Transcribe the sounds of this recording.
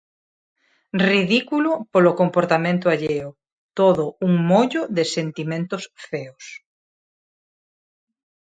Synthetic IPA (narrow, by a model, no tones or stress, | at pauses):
riðikulʊpolokompoɾt̪amẽnt̪̬ʊaʎeʊ | t̪oðʊuŋmoʎʊðɪsent̪imẽnt̪ʊsfeos